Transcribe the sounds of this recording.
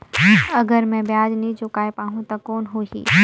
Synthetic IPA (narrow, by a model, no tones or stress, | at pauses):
ɐɡəɾmɛ̃bjaːd͡ʒnĩt͡ʃʊkaːepaːɦũt̪ɐkoːnɦoːɦḭː